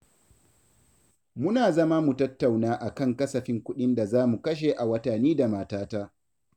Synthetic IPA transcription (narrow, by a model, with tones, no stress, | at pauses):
mʊ˦naː˨zɐ˦ma˦mu˨tɐ˦tːa˨wnaː˦ʔa˨kɐ˦˨ŋkɐ˦sɐ˨ɸɪ˦ŋkʷʊ˦ɗɪ˦nda˨zaː˦mu˨kɐ˦ʃ̬e˨ʔa˨wɐ˦tɐ˨niː˦da˨maː˨taː˦ta˦ʔ